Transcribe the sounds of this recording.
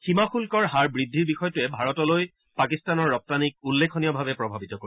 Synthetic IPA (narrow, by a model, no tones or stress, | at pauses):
ximaxulkɔɹɦaɹbɹidʱːiɹbixɔjɔtʊɛbʱaɹɔtɔloj | pakistanɔɹːɔp̚tanik̚ulːekʰɔnijɔbʱabɛpɹɔbʱabitɔko